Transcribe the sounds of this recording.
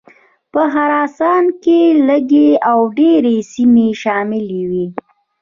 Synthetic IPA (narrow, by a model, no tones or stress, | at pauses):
pəɦaɾɑsɑnkeləɡeawɖeɾesimeʃɑmɪlewi